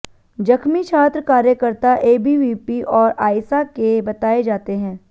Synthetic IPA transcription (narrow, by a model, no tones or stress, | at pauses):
d͡ʒɐkʰmit͡ʃʰaːt̪ɾəkaːɾjəkəɾt̪aʔeːbiʋiːpiʔɔːɾaːɪsakebɐt̪aːed͡ʒaːt̪eɦɛ̃ː